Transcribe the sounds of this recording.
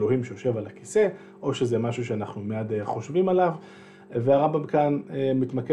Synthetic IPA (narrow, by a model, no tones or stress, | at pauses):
lo̞ɦhimʃejo̞ʃe̞valaki̥se̞ | ʔo̞ʃezemaʃuʃeanaχnumeadeχo̞ʃvimalav | veaʁambamkanemit̪make